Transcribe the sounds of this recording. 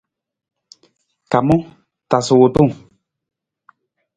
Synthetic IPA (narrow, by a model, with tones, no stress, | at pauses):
ka˨mɔ̃˦ | ta˨so˨wo˨to˦˨ŋ